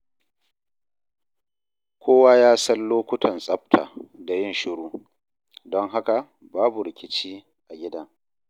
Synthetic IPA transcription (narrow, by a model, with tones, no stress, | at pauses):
kʷʰoː˦waː˦jaː˦sɐ˦nloː˦kʷʊ˦tʰɐ˨nsʼɐ˦b̚tʰa̰ː˨da˨jɪ˦nʃɪ˦ɽuː˦ | dɔ˦ŋɦa˦ka˨ | baː˦bu˨ɾɪ˨kʲɪ˦t͡ʃiː˦ | ʔa˨ɡʲɪ˦da˦